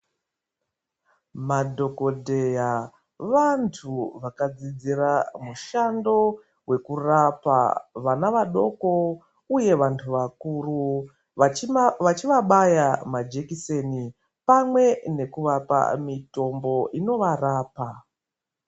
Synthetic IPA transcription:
madʱo̞ko̞dʱe̞ja | ʋantʰuʋakad͡zid͡ziramuʃando̞ | we̞kurapa̰ʋanaʋaɗo̞ko̞ | uje̞ʋantʰuʋakuru | ʋat͡ʃiʋaɓajamad͡ʒekiseni | pamwe̞ne̞kuʋapa̰mito̞mbo̞ʔino̞ʋaraːpa

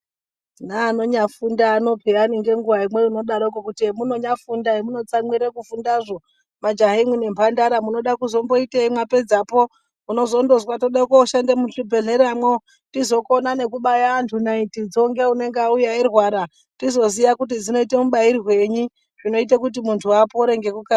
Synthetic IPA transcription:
naːno̞ɲafundaːno̞pʰeaniŋɡe̞ŋɡuʋaimwe̞ino̞ɗaɾokokutiemuno̞ɲafundaemuno̞t͡samwiɾekufundaʐo̞ | mad͡ʒaɦimwine̞mpʰandaɾamuno̞ɗakuzo̞mbo̞iteimwape̞d͡zapo̞ | uno̞zondo̞zwatoɗakoʃandemuɬibʱe̞ɮe̞ɾamwo | tizo̞ko̞nane̞kuɓajaːntʰunaitid͡zoŋɡeune̞ŋɡeaujairwaɾa | tizo̞zijakut̬id͡zino̞itemuɓaiɾiɦwe̞ɲi | ʐino̞it̬ekut̬imuntʰuapoːɾe̞ŋɡe̞kuka

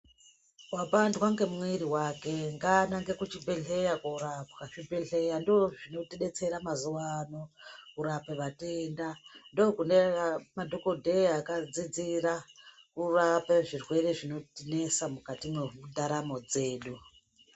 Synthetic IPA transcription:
wapandwaŋɡe̞mwiɾiwake̞ŋɡanaŋɡe̞kut͡ʃibʱe̞ɬe̞jakoɾapwat͡ʃibʱeɬe̞jandooʐino̞teɗe̞t͡se̞ɾamazuwano̞kuɾapeʋatendandokunemadʱo̞ko̞dʱeakad͡zid͡ziɾa | kurapeʐirwe̞re̞ʐino̞tine̞samukatimweudaɾamo̞d͡ze̞ːɗu

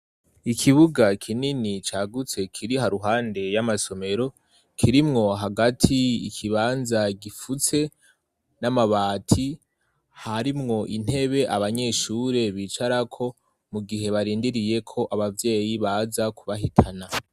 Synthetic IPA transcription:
ikʰiβuɡakʰininit͡ʃaːɡut͡se̞kʰiɾiɦaɾuɦaːnde̞jamaso̞me̞ɾo̞ | kʰiɾimŋo̞ɦaɡatʰiikʰiβaːnzaɡifut͡se̞ | namaβaːtʰi | haɾimŋo̞ʔin̥he̞βe̞ʔaβaɲe̞ʃuːɾe̞βiːt͡ʃaɾakʰo̞ | muɡiɦe̞βaɾiːndiɾije̞kʰo̞ʔaβavje̞ːjiβazakʰuβaɦitʰana

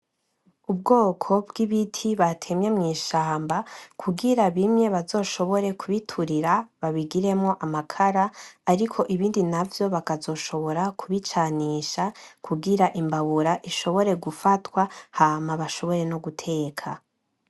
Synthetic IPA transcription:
ub̚ɡo̞ːkʰo̞bɡiβitʰiβatʰe̞mɲemŋiːʃaːmbakʰuɡiɾaβimɲe̞βazo̞ːʃo̞βo̞ɾe̞kʰuβitʰuɾiɾaβaβiɡiɾe̞mŋo̞ʔamakʰaɾaːɾikʰo̞ʔiβiːndinavjo̞βakazo̞ʃo̞βo̞ɾakʰuβit͡ʃaniʃakʰuɡiɾaʔimbaβuɾaʔiʃo̞βo̞ɾe̞ɡufatwahaːmaβaʃo̞βo̞ɾe̞no̞ɡutʰe̞ːkʰa

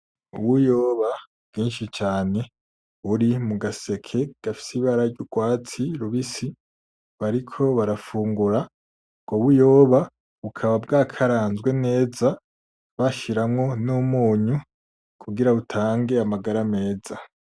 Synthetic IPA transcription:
ṵβujo̞ːβa | bɡiːnʃit͡ʃaːne̞ | uɾimuɡase̞kʰe̞ɡ̥afi̥siβaɾaɾɟuɡwaːt͡siɾuβisi | βaɾikʰo̞βaɾafuːŋɡuɾa | ɡ̥oβujo̞ːβa | βukʰaβab̚ɡaːkʰaɾaːnzɡwe̞ne̞ːza | βaʃiɾamŋo̞numuːɲu | kʰuɡiɾautʰaːŋɡe̞amaɡaɾame̞ːza

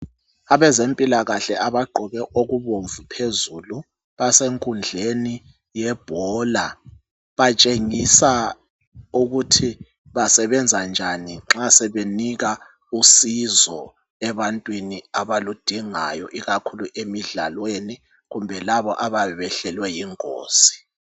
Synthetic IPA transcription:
aβɛzempʼilaɣaɬɛaβaɡ͡ǃʱɔβɛʔoɣuβoɱvupʰezulu | βaseŋkʼund͡ɮʱeni | jɛb̥ʱɔla | βat͡ʃʼeŋisa | uɣutʰi | βasɛβɛnd͡zʱand͡ʒʱaniŋ͡ǁasɛβeniɣa | usizɔ | ɛβantʼwiniaβalud̥ʱiŋa̰jɔʔiɣakʰuluʔemiɮa̰lweni | ɣumbʱɛlaβɔʔaβaɛβɛɬɛlwɛjiŋʼo̰ːsi̥

